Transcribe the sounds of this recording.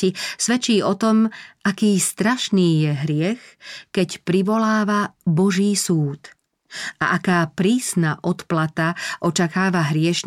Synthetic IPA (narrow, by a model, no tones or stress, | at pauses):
isʋɛt͡ʃiːɔt̪ɔmʔakiːst̪ɾaʃniːjɛɦɾɪɛxkɛcpɾiʋɔlaːʋabɔʒiːsuːt̪ | ʔaʔakaːpɾiːsnaʔɔt̪plat̪aʔɔt͡ʃakaːʋaɦɾɪɛʃɲ